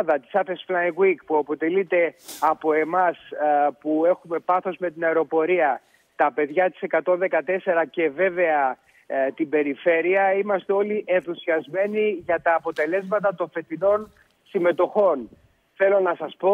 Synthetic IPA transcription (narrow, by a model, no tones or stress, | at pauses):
ðɐt̪i̥sɐθesflɐjŋɡwikpuɐpo̞t̪e̞lit̪e̞ɐpo̞e̞mɐspue̞xume̞pɐθo̞zme̞t̪inɐeɾo̞po̞ɾiɐ | t̪ɐpe̞ðʝɐt̪i̥sekɐt̪o̞nðe̞kɐt̪e̞se̞ɾɐce̞ve̞ve̞ɐ | t̪ibe̞ɾife̞ɾiɐimɐst̪e̞o̞liʔe̞nθusiɐzme̞niʝɐt̪ɐːpo̞t̪e̞le̞zmɐt̪ɐt̪o̞nfe̞t̪ino̞n | sime̞t̪o̞xo̞n | θe̞lo̞nɐsɐspo